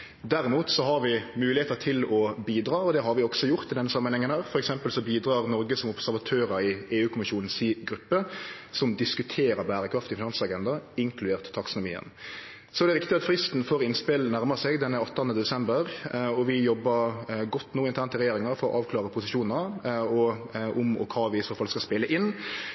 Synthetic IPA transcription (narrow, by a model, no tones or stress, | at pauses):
d̪æɾɪmuːt̪sɔɦɑɾʋɪmʉːlɪheːt̪ət̪ʰɪlɔbiːd̪ɾɑːɔd̪ɛɦɑɾʋɪɔɡsɔjʊɾt̪ɪd̪ɛnːəsɑmːənhɛŋənhæːʁfɔɾɛksɛmpəlsɔbiːd̪ɾɑːʁnɔɾɡəsɔmʊpsæɾʋɑt̪ʰøːɾəɾɪeːʉːkʰʊmɪʃuːnn̩siɡɾʉpːəsɔmd̪ɪskʉt̪ʰeːɾəɾbæːɾəkʰɾɑft̪ɪfɪnɑnsɑɡɛnd̪ɑɪŋkʰlʉd̪eːʁt̪t̪ʰːɑksənʊmḭːə̰n | sɔɛd̪ɛɾɪkt̪ɪɑt̪fɾɪst̪n̩foːɾɪnspɪlnæɾmɑsɛɡd̪ɛnːəɑt̪ːɑnəd̪ɛsɛmbəɾɔʋɪjɔbːəɾɡɔt̪ːnuːɪnt̪ʰæːnt̪əɾɛjeːɾɪŋɑɾfɔɾɔ̰ʔɑːʋkʰlɑːɾəpʰʊsɪʃuːnnəɔʔɔmɔ̰kʰɑːʋɪsfɔɾfɑlkskɑspɪləʔɪnː